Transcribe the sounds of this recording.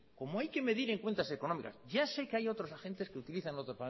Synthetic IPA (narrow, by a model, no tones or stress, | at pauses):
ko̞moajke̞me̞ðiɾe̞ŋkwe̞nt̪ase̞ko̞no̞mika̰sɟ͡ʝase̞keajo̞t̪ɾo̞saxe̞nt̪eskeut̪iliθanlot̪ɾopa